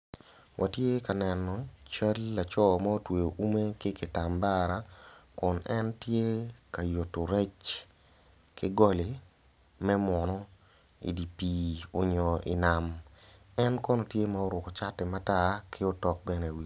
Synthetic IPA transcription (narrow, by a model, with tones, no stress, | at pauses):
wʔa˨tje˦ka˨nɛ˨nɔ˨t͡ʃa˦lːa˨t͡ʃɔ˦ma˦o˦twe˨o˨ʔu˦me˦kɪ˦kɪ˨ta˨mba˦ɾa˨˦kʊ˨nʔɛ˦ntje˦ka˨jo˨tːo˨ɾɛ˦t͡ʃ | kɪ˦ɡɔ˦le˨ | mɛ˦mɔ˨nɔ˦ | ḭ˨di˨pi˨o˨ɲɔ˨ʔɪ˨na˨m | ɛ˦nkɔ˦nɔ˨tje˦ma˦o˦ɾʊ˨kɔ˨t͡ʃa˦tɛ˨ma˦ta˦kʰɪ˦o˦tɔ˨k̚bɛ˦nɛ˨wi˨